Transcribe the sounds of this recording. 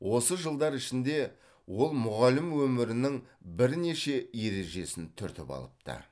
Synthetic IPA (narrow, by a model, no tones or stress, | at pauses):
wʔo̞səʒəlˠd̪ɑɾɪʃɪnd̪e̞ | wo̞lˠmʊʁɑlɪmwɵmɪɾɪnɪŋbɪɾne̞ʃe̞je̞ɾe̞ʒe̞sɪnt̪ʰʏɾt̪ɪpɑ̰lˠəp̚t̪ə̰